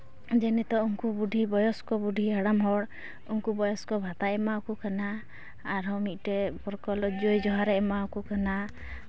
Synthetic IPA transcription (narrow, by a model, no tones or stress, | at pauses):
d͡ʒɛnɛt̪ɔuŋkubuɖʱibɔjɔskɔbuɖʱiaɽamɦɔɽ | uŋkubɔjɔskɔbʱat̪aɛmaukukanaː | ɾɔmit̪̚ˀʈɛpɔɾkɔlɔd͡ʒojd͡ʒɔɦaɾɛɛmaukukana